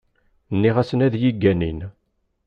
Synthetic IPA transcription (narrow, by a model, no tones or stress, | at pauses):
nːiʁæsənæðjiɡːænḭn